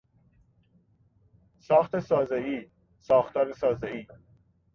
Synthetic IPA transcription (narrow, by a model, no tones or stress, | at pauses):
sɒːxt̪ʰesɒːzeiː | sɒːxt̪ʰɒːɾesɒːzeiː